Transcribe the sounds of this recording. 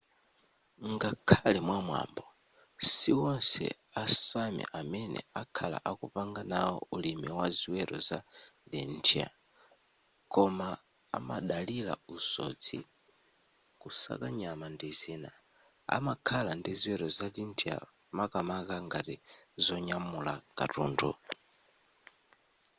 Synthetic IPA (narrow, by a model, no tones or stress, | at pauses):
ŋɡakʰalɛmwamwa̰mbɔ | siwɔnsɛ̰ | asamɛ̰ʔamɛnɛ̰akʰala̰ʔakupaŋɡanawɔ̰ulimiwaziwɛɾɔzalintʰia̰ | kɔma | a̰maɗalila̰usɔ̰t͡sʰi | kusa̰kaɲamandiziːna | a̰makʰalandiziwɛɾɔzalintʰia̰ | makamakaŋɡatizɔɲamulaka̰tṵːndṵ